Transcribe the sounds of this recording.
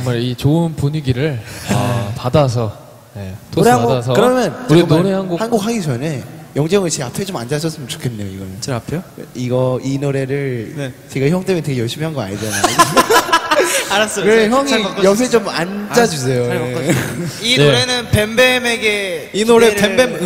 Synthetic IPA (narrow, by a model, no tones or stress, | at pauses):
ʌŋmaɾit͡ɕoɯnpuɲiɡiɾɯɭapadasʰʌ | jetoeaɡoas̬ʰʌkɯɾʌmjʌnooɾehanɡohanɡok̚haɡid͡ʑʌne̞jʌŋd͡ʑeŋɯɭt͡ɕeapʰe̞t͡ɕomand͡ʑaɕ̬ʰʌs͈ɯmɯnt͡ɕo̥kʰenːejoiɡʌmʌnapʰeiɡʌinoɾe̞ɾɯɭt͡ɕe̞ɡaçjʌŋt͈emjnteɡejʌɭɕ͈imiɦanɡʌa̰ɲid͡ʑanaj | aɾas͈kɯɾeçjʌŋijʌp̬ʰet͡ɕomand͡ʑad͡ʑus̬ʰe̞joa | iɾenɯnpembemeɡeinoɾepembem